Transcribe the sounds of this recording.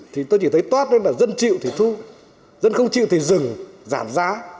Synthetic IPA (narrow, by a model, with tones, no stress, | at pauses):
t̪ʰi˨˩t̪o˧jt͡ɕi˧˩t̪ʰə˨˦jt̪waː˦˥t̚ne˧laː˨˩zə˧nt͡ɕḭ˧˨wt̪ʰi˨˩t̪ʰu˧ | zə˧nxə˧wŋ͡mt͡ɕḭ˧˨wt̪i˨˩zɨ˨˩ŋza̰ː˧˩mzaː˨˦